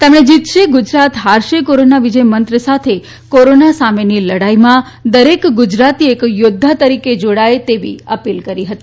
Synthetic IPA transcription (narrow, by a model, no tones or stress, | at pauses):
t̪emɽ̃ed͡ʒit̪ʃeɡʊd͡ʒɾat̪ɦaɾʃekoɾonaʋid͡ʒəjmənt̪ɾəsat̪ʰe | koɾonasameniləɽaimã | d̪əɾekɡʊd͡ʒɾat̪iekjod̪ʱːat̪əɾiked͡ʒoɽaet̪eʋḭəpilkəɾiɦət̪i